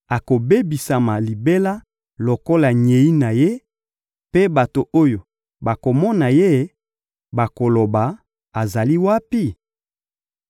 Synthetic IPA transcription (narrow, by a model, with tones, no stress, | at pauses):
a˨ko˨be˦bi˨sa˨ma˨li˨be˦la˦ | lo˨ko˦la˨ɲe˨i˦na˨je˦ | pe˦ba˨to˨o˦jo˨ | ba˨ko˨mɔ˦na˨je˦ | ba˨ko˨lo˨ba˨ | a˨za˨li˦wa˦pi˦